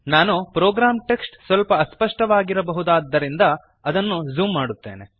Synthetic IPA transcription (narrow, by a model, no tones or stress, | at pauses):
naːnupɾoːɡɾaːmʈeksʈsʋɐlpɐːspɐʂʈɐʋaːɡiɾɐbɐɦud̪aːd̪ːɐɾind̪ɐ | ɐd̪ɐnːuzuːmːaːɽut̪ːe̞̰ːne